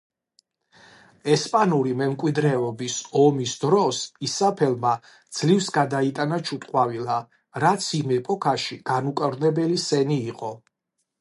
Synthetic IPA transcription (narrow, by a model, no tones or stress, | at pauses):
ɛspʼanuɾimɛmkʼwid̪ɾɛɔbisɔmisd̪ɾɔsisapʰɛlˠma | d̪z̥livsɡad̪ait̪ʼanat͡ʃʰut̪ʼqʼwavila | ɾat̪sʰimɛpʼɔkʰaʃiɡ̥anukʼɾnɛbɛlisɛniːqʼɔ